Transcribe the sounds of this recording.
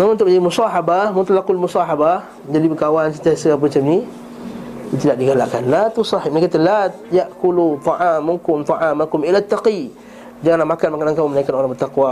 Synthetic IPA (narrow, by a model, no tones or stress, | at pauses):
mamunt̪ʊʔ̚əd͡ʒadimusɑɦabamant̪lakʊlmusɑɦaba | əd͡ʒadibəkawansət̪iasəap̬əət͡ʃamni | it̪udaʔdiɡalaʔkanlat̪usɑhɪmakat̪əla | jaʔkulut̪ˤɑʕamːukʊmt̪ˤɑʕamakʊmilat̪ːaqi | d͡ʒaŋanlamakanmakanankaumənaikanoɾabət̪ːaqwa